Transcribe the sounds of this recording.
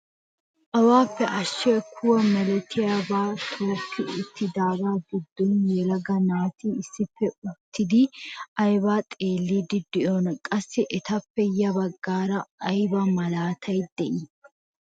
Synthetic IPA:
ʔɐwaːpːɛʔɐʃːɛkʰʊwɐmɛlɛt̪ʰɪjabaːt̪ʰoːkʰːɪɪt̪ːɪd̪aːɡaːɡɪd̪ːɔnjɛlɐɡɐnaːt̪iːɪsːɪfːɛʊt̪ʰːɪd̪ɪʔɐjbaːt̪ʼeːlːiːd̪ɪd̪̥ɪʔɔnkʼɐsːɪʔɛt̪ɐpːɛjɐbɐɡːaːɾɐɐjbɐmɐlaːt̪ʰɐjd̪̥ɛʔɪ

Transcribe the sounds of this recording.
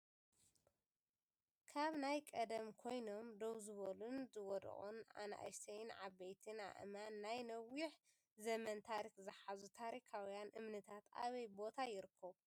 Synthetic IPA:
kʰaβnajkʼɐd̪ɐmkʰo̞jno̞md̪oβzɨβolunzɨwɔd̪̰ʔʼṵnʕa̰naʔa̰jsɐjnʕaβejt̪ʰɨna̰ʔmanːajnɐwiħ | zɐmɐnt̪ʰaɾikzɨħazut̪ʰaɾikʰawijanʔɨmnɨt̪ʰat̪ʰʔa̰βɐjbo̞t̪ʰajɪɾɨkʰːɐβ

